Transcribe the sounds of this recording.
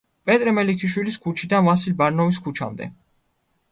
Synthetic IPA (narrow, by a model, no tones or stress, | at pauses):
pʼɛt̪ʼɾɛmɛlikʰiʃwiliskʰut͡ʃʰid̪anvasilbaɾnɔviskʰut͡ʃʰa̰md̪ɛ̰